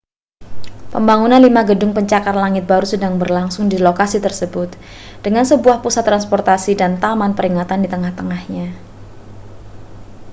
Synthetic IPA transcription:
pəmbaŋunanlimaɡədʊŋpəɲt͡ʃakarlaŋɪt̪̚baɾusədaŋbərlaŋsʊŋdilokasit̪ərsəbʊt̪̚ | d̥əŋansəbuahpusat̪ːɾanspɔrt̪asidant̪amanpəɾiŋat̪andit̪əŋaht̪əŋahɲa

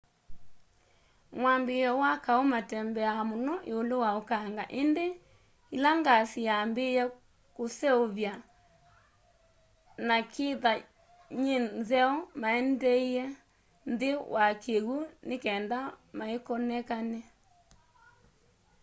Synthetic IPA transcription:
mwambejɔwakaomatɛmbɛamonɔʔeolowaokaŋɡaʔende | ilaŋɡasiambejɛ | kosɛoβja | nakʰeða | ɲenzɛɔmaɛndɛiɛ | nðewʔakʰeɣunekɛːndamaekɔnɛkanɛ

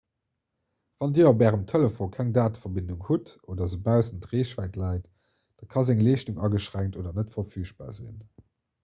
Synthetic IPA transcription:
v̥ɑndiːopɛːʁəmtʰeləfoːkʰæŋdaːtfɐbinduŋhutoːdɐzəbæʊzəntʁeːɕvæːɪtlɑɪt | d̥ɑkʰɑzæŋleːʃtuŋɑɡəʃʁæŋtoːdɐnətfɐfyːʃb̥a̰ːzḭn

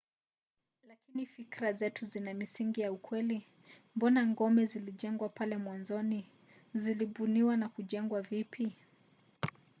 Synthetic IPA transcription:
lakinifikɾazɛtuzinamisiŋɡijaukwɛli | mbɔnaŋɡɔmɛziliʄɛŋɡwapalɛmwanzɔni | ziliɓuniwanakuʄɛŋɡwavipʰi

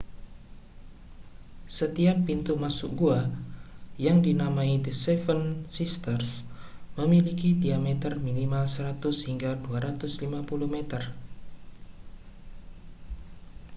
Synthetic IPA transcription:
sət̪iapːint̪umasʊkɡua | jaŋdinamaidəsɛfənsist̪ərsməmilikidiamɛt̪ərminimalsəɾat̪ʊshiŋɡaduaɾat̪ʊslimapuluhmet̪ər

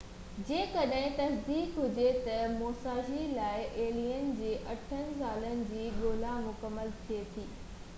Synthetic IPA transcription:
d͡ʑẽːkɐɗɦɪ̃t̪ɐsd̪iːkɦʊd͡ʑet̪ɐmoːsaːʃilaːɪʔeːliːənɪ̆d͡ʑeːʔɐʈʰənɪ̆saːlənɪ̆d͡ʑiːɗoːlamʊkəmːəlt̪ʰiet̪ʰiː

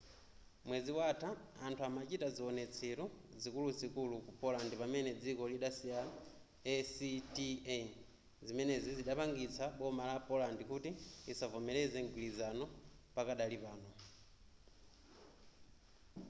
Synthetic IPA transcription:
mwɛd͡ziwatʰaːntʰuamat͡ʃitad͡ziɔnɛt͡sʰiɾuzikulusikulukupɔlandipamɛnɛd͡zikɔliɗasia | ɛsiti | zimɛnɛziziɗapaŋɡit͡sʰaɓɔmalapɔlandikutiːsavɔmɛlɛzɛŋɡwilizanɔpakaɗalipaːnɔ

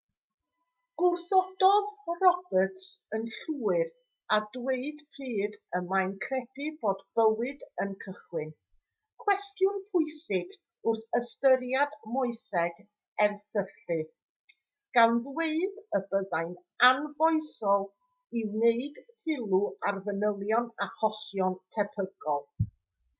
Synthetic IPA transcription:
ɡ̥ʊrθɔd̥ɔðrɔbətsənɬuːɨɾ | adweɨd̥pʰriːdəmajnkʰrɛd̥ɪboːdb̥əwɨdənkʰəχwɪn | kʰw̥ɛstjʊnpʰʊɨsɪɡ | ʊrθəstəɾjadmʊɨsɛɡ | ɛrθəɬfɨ | ɡ̥anðweɨdəbəðajn | anvɔɨsɔlˠ | ɪwneɨd̥sɪlˠuarvənəlˠjɔnaχɔsjɔntʰɛpʰəɡɔlˠ

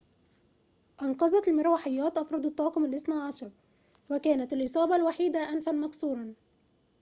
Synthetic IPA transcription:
ʔɑnqɑzˤɑt̪almɪɾˤawaħɪjːɑːt̪ʔɑfɾˤɑd̪ˤɑt̪ˤːɑɑːqkʊmalʔɪsnaʕɑʃɑɾˤ | wakæːnat̪alʔɨsˤɑːbɑlwaħiːd̪aʔanfanmɑksˤuːɾˤɑn

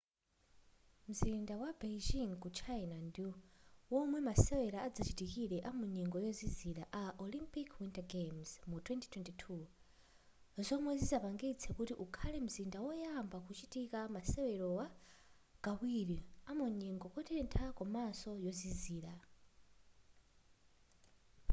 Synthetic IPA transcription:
m̩zindawabed͡ʒiŋkut͡ʃʰainandiwɔmwɛmasɛwɛɾaːd͡zat͡ʃitikiɾɛʔamuɲɛŋɡɔjɔziziɾaʔaʔɔlimpikʰwintaɡemz̥mutʰwɛnti̥tʰwɛntitʰu | zɔmwɛzizapaŋɡit͡sʰɛkutiʔukʰalɛm̩zindawɔjambakut͡ʃitikamasɛwɛɾɔwa | ɡ̥awiɾiamɔɲɛŋɡɔkɔtʰɛntʰakɔmasɔjɔziziːɾa

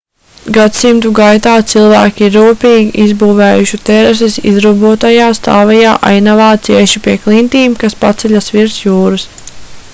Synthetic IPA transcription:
ɡat̪simt̪uɡajt̪aːt̪silˠvæːkʲiɾːuːpiːɡʲiʔizbuːvɛːjuʃit̪ɛɾɛs̬isḭzɾubuɔt̪ajaːst̪aːvɛjaːʔa̰jnavaːt̪siɛʃipiɛklˠint̪iːmkaspat̪sɛʎʲasʋiɾsjuːɾus

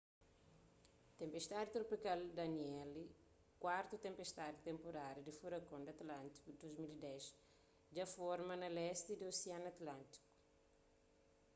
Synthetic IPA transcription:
t̪ẽmpest̪ad̪it̪ɾopikald̪ɐniɛli | kwaɾt̪ut̪ẽmpest̪ad̪it̪ẽmpoɾaɾɐd̪ifuɾɐkõnd̪ɐt̪lãnt̪i̥kud̪ozmilid̪ɛs | d͡ʒɐfɔɾmɐnɐlɛst̪id̪ioseãnɐt̪lãnt̪i̥ku̥

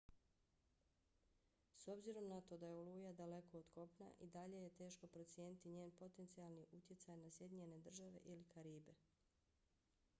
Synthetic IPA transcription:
so̞bziɾo̞mnat̪o̞d̪ajeoluːjad̪ale̞ko̞ːd̪ko̞pna̰ʔid̪aʎe̞je̞t̪e̞ːʃko̞pɾo̞t̪sje̞ːnit̪iɲe̞ːnpo̞t̪e̞nt̪sialˠniʔut̪je̞t̪sajnasje̞d̪iɲe̞ne̞d̪r̩ʒaʋe̞̰ʔilikaɾiːbe̞

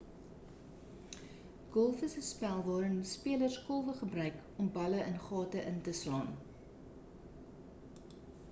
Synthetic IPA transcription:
ɡ̥ɔlˠfəsəspælˠvɑːɾənspiələrskɔlˠvəχəbrœɥk | ɔmbɐləʔənχɑːtəʔəntəslɑːn

